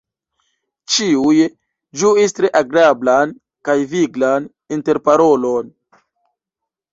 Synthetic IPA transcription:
t͡ʃiuj | d͡ʒuistɾe̞ʔaɡɾablan | kajviɡlan | inte̞ɾpaɾolo̞n

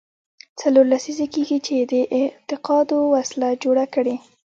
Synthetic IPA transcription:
t͡saloɾlasizekeɡit͡ʃed̪əʔɪt̪ɪqɑd̪owaslad͡ʒoɽakəɽe

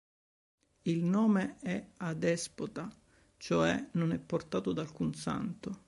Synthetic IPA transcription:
ilnɔːmeɛad̪ɛspot̪a | t͡ʃoɛ̰nonɛpːort̪aːt̪od̪alkunsa̰nt̪o

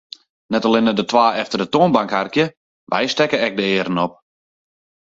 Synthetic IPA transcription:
nɛtalɪnədətwaːɛftərdətoənbaŋkharkjə | ʋɛ̰jstɛkəɛk̚dəɪːɾənɔp̚

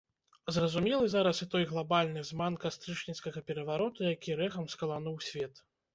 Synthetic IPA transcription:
zrɐzumʲɛlˠɨzaɾɐsɨt̪ɔjɣlˠabalʲnɨzmankast̪ɾɨt͡ʂnʲit̪skɐɣɐpʲɛɾɐvaɾɔt̪ujakʲiɾɛɣɐmskɐlˠan̪uwsʲvʲɛt̪

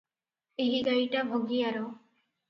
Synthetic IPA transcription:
eɦiɡaiʈabʱoɡiaɾo

